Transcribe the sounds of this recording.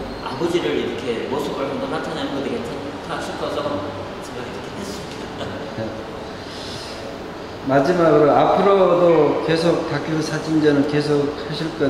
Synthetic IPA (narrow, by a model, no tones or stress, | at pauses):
a̰bod͡ʑiɾɯɾiɾʌkʰe̞mosʰubʌɭɡʌndʌnatʰananɯnɡʌdɯɡet͡ɕʰa | tʰaɕʰipʰʌsʰʌ | t͡ɕeɡaiɾʌkʰetʰess͈uk͈ʰeʌt̚t͈an | je | mad͡ʑimaɡɯɾoapʰɯɾʌdoke̞sʰok̚tak͈ʰosʰad͡ʑind͡ʑanɯnke̞s̬ʰok̚saɕʰiɭk͈a